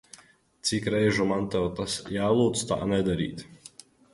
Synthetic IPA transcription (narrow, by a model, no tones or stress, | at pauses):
t̪sikɾɛjʒumant̪ɛwˠt̪asjaːlˠuːt̪st̪a̰ːnɛd̪aɾḭːt̪